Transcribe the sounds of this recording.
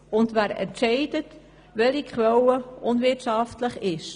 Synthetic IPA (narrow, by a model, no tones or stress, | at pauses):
ʊndʋæːɾɛ̰ntt͡ʃɛɪdət | ʋɛlikχʋɛləʔʊnvɪtʃɑftləχɪʃ